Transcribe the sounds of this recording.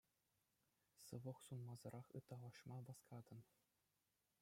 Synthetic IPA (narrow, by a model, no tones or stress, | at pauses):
sɯʋɤ̆χsunmɑzɤ̆ɾʔɑχɯ̰t̪ːɑlˠɑʂmɑʋɑskɑd̪ɤ̆n